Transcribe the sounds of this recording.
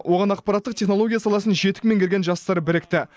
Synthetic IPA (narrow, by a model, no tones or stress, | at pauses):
wʔo̞ʁɑnɑq̚pɑɾɑt̪ːəqt̪ʰʲe̞χno̞lˠo̞ɡʲijasɑlˠɑsənʒe̞t̪ɪ̥k̚me̞ŋkʲe̞ɾɡʲenʒɑst̪ɑɾəbɪɾɪk̚t̪ɪ